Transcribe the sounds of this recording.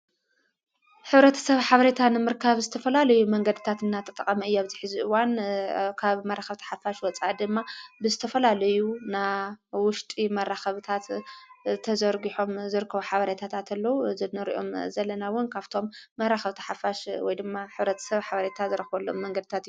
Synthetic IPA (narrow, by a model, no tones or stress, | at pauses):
ħɨβɾɐt̪ʰɐ̥sɐβħaβɐɾet̪ʰanɨmɨɾkʰaβzɨt̪ʰɐfɐlalɐjumɐŋɡɐd̪ɨt̪ʰat̪ɨnːat̪ʰɐt̪ʼɐkʼɐmɐɨjːoβziħɨziʔɨwankʰaβmɐraxɐβt̪ʰɐ̥ħafaʃwɔt͡sʼad̪ɨmːabɨzɨt̪ʰɐfɐlalɐjunawʊʃt̪ʼimɐrːaxɐβɨt̪ʰat̪ | t̪ʰɐzɐɾɡiħo̞mzɨɾɨkʰːɐβuħaβɐɾet̪ʰat̪ʰat̪ʰɐlːɐwuzɨnːɨɾḭʔo̞̰mzɐlːɐnawʊnkʰaβt̪ʰo̞mːɐraxɐβt̪ʰɐ̥ħafaʃwɔ̰jd̪ɨmːaħɨβɾɐt̪ʰɐ̥sɐβħaβɐɾet̪ʰazɨɾɐxβɐlːomːɐŋɡɐd̪ɨt̪ʰat̪ju